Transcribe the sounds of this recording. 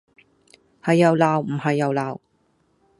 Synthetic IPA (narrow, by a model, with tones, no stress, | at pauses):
hɐ˨jːɐ˨˧wlaː˨wm̩˨˩ɦɐ˨jːɐ˨˧wlaː˨˩w